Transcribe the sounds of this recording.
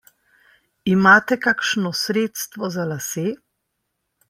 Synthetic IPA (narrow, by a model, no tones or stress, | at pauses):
imaːt̪ɛkakʃnɔsɾeːt̪st̪ʋɔzalaseː